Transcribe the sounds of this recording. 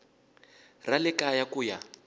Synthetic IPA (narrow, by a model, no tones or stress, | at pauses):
ralɪkajakuːja